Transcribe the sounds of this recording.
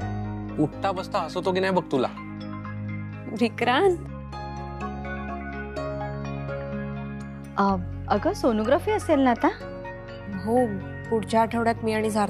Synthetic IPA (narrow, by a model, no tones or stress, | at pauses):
uʈt̪abəst̪əɦəsot̪oɡinajbəɡ̚t̪ula̰ | ʋikɾan | əɡəsonoɡɾafiːəselnat̪a | ɦo | puɽt͡ɕaːʈʰəʋɽjat̪miːaɽ̃id͡zʱaɾ